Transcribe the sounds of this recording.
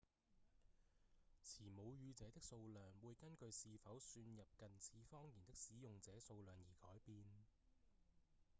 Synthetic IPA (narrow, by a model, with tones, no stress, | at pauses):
t͡sʰiː˨˩mo˨˧wjyː˧t͡sɛː˨˥t̪ɪ˥k̚so˧wlœː˨ŋwuː˨˧jkɐ˥nkɵ˧ɥsiː˧fɐ˨˥wsyː˧njɐ˨p̚kɐ˨nt͡sʰiː˨˥fɔː˥ŋjiː˨˩nt̪ɪ˥k̚siː˨˥jʊ˨ŋt͡sɛː˨˥so˧wlœː˨ŋjiː˨˩kɔː˨˥jpiː˧n